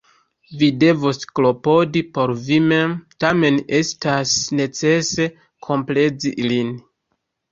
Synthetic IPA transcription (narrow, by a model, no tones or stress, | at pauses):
vide̞vosklo̞po̞dipo̞ɾvimemtame̞ne̞stasne̞t͡se̞se̞ | kʰo̞mple̞d͡zilin